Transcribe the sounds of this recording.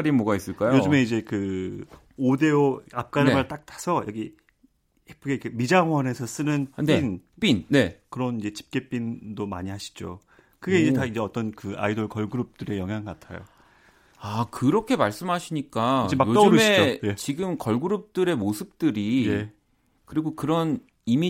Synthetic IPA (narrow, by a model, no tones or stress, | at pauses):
ɾimʌɡais͈ɯɭk͈ajojod͡ʑɯme̞id͡ʑe̞kɯ | ode̞oap̚k͈aɾɯmɯɭt͈ak̚t͈ʰḁsʰʌjʌɡi | hepʰɯɡekemid͡ʑaŋɦwʌne̞sʰʌs͈ɯnɯnnenp͈inne̞kɯɾʌnid͡ʑe̞t͡ɕʰi̥p̚k͈e̞p͈indoma̰ɲiɦaɕʰi̥d͡ʑo̰ | kɯɡe̞id͡ʑetaid͡ʑe̞ʌt͈ʌnkɯa̰idoɭkʌɭɡuɾup̚t͈ɯɾe̞jʌŋɦjaŋkatʰa̰jo̰ | akɯɾʌkʰe̞maɭs͈ɯmɦaɕʰiɲik͈ad͡ʑeakjoiɾɯmɕʰied͡ʑoje̞t͡ɕiɡɯmkʌɭɡuɾɯp̚t͈ɯɾe̞mosʰɯp̚t͈ɯɾie | kɯɾiɡokɯɾʌn | imi